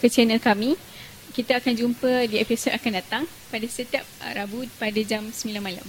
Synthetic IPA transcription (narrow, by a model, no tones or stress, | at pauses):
kət͡ʃɛnəlkamĩ | kit̪aakand͡ʒumpədiɛpisot̪̚akandat̪aŋ | padasət̪iap̚ɾabupadad͡ʒamsəmilanmala̰m